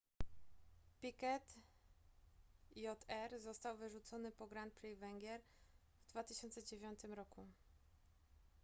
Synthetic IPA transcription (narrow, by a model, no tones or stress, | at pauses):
pʲikɛt̪ | jɔt̪ʰɛɾzɔst̪awvɘʐut̪sɔnɘpɔɡɾant̪̚pɾɛjvɛŋɡʲjɛɾ | vd̪vat̪ɘɕɔnt̪sɛd͡ʑevʲjɔnt̪ɘmɾɔku